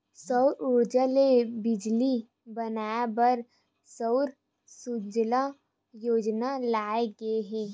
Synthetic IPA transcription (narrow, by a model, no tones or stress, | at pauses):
səʊɾʊɾd͡ʒalebɪd͡ʒli | bɐnaːbəɾ | səʊɾ | sud͡ʒla | joːd͡ʒnalaːeɡɐeɦɛː